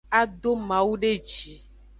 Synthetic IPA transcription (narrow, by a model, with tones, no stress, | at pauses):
a˦d̪o˦mã˨wu˦ɖe˦d͡ʒi˨